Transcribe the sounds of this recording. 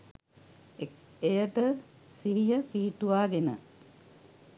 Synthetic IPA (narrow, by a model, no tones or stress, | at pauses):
ejəʈə | siɦijəfiːʈuʋaːɡenə̰